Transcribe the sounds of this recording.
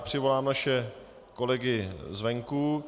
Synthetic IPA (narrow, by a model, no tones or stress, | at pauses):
pr̝̥ɪvo̞laːmnaʃɛ | ko̞lɛɡɪzvɛŋku